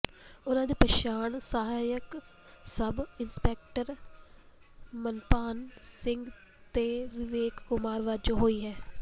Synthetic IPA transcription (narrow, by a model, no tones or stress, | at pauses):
ʊnãːd̪iːpəʃaːɳsəɦaːjək | səbɪnspɛːk̚ʈəɾ | mənpaːnsɪŋɡ | t̪eːʋɪʋeːkːʊmaːɾʋaːd͡ʒoːɦoːiːɦɛː